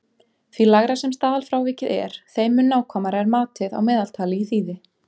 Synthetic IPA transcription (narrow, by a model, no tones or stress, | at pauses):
θvilaɣɾasɛmst̪aːðalfɾawvɪːcɪðɛ̰ɾ̥θejmʏnːaːwkʰɔmaɾɛɾmaːt̪ɪða̰wmɛːðalt̪ʰaːlɪiθiːðɪ